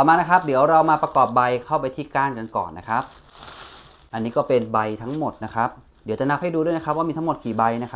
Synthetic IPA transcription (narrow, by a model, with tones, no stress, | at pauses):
t̪ɔː˨˩maː˧na˦˥kʰa˦˥p̚di˩˦wɾa˧wmaː˧pɾa˧kɔː˨˩p̚ba˧jkʰa˥˩wp̬a˧jt̪ʰiː˥˩kaː˥˩nka˧nkɔ̰ː˨˩nːa˦˥kʰa˦˥p̚ | ʔa˧nːiː˦˥kɔː˥˩pe˧nba˧jt̪ʰa˦˥ŋmo˨˩t̪̚na˦˥kʰa˦˥p̚ | di˩˦wt͡ɕa˨˩na˦˥p̚ha˥˩jduː˧ɾu˥˩˨jna˦˥kʰp̚waː˥˩miː˧t̪ʰa˦˥mo˨˩t̪̚kʰiː˨˩ba˧jna˦˥kʰa˦